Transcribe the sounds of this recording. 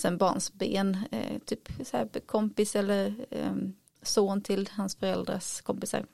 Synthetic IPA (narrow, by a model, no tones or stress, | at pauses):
sɛnbɑ̰ːɳsbḛːnt̪ʰyːpsɔæɾkʰɔmpɪsɛlːəɾ | soːnt̪ʰɪlhansfœɾɛld̪ɾa̰skʰɔmpɪsa̰ɾ